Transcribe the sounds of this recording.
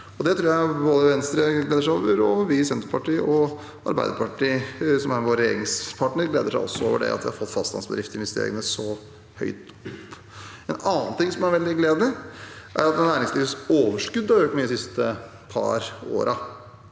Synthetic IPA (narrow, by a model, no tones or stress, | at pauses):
ɔd̪ɛt̪ʰɾuːɾjæɪboːd̪əʋɛnst̪ɾəɡleːd̪əʂæoːʋəɾɔʋɪsɛnt̪əpɑʈiːʔɔ | ɑ̰ɾbæɪd̪əɾpʰɑʈiːsɔmæɾʋoːɾjḛːɾɪŋspʰɑʈɳəɾɡleːd̪əʂæɪɔ̰sːɔo̰ːʋəɖɛ̰ɑ̰t̪ʋɪhɑɾfɔt̪ːfɑst̪ɑnsbəd̪ɾɪft̪əɪnʋɪst̪ḛːɾɪ̰ŋənəsɔ | hœ̰ʏt̪ | ɔpː | ɛnɑːnt̪ɪŋsɔmæɾʋɛld̪ɪɡleːd̪ɪʔæ̰ɾɑt̪ɛnæːɾɪŋsliːʋsoːʋəʂkʉd̪ːɑɾjɔʈmɛid̪ɪsɪst̪ə | pʰɑ̰ɾo̰ːɾʔɑ